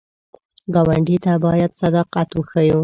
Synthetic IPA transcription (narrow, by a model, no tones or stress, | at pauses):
ɡɑwaɳɖit̪abɑjad̪sad̪ɑqat̪wəxaju